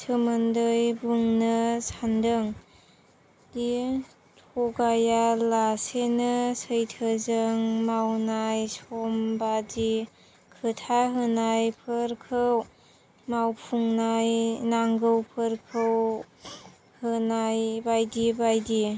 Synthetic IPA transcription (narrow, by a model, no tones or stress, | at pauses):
tʰəməndɯjbuŋnɯsandɯŋ | di | tʰɔɡajalasenəsəjtʰəzəŋmawnajsɔmbadi | kʰɯtʰaɦɯnajpʰɯɾkʰɯw | mawpʰuŋnajnaŋɡɯwpʰəɾkʰəw | hɯnajbajdibajdi